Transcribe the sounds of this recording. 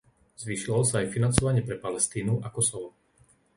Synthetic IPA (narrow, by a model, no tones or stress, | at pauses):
z̥ʋiːʃilɔlsaːjfinant͡sɔʋaɲɪɛpɾɛpalɛst̪iːnuʔakɔsɔʋɔ